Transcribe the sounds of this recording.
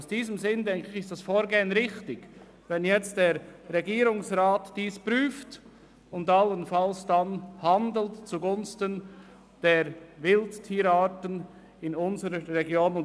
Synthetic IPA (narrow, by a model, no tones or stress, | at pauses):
ʊsd̥iːzəmzɪndɛŋkɪçɪstd̥asfoːɾɡeːənʁɪxtɪɡ̥ | vɛnjɛt͡std̥eːɾːɛɡiːɾʊŋsraːtd̥iːspʁyːft | ʊndalənfalsd̥anhandl̩tt͡suɡʊnstən | d̥eːɾvɪlttʰiːɾaːtən | ɪnʊnzəɾəːɛɡjoːnʊn